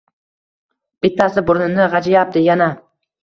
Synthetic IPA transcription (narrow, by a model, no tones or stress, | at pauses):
b̥ɪt̪ʰːasɪbʊɾnɪnɪʁɑd͡ʒajap̚t̪ɪjana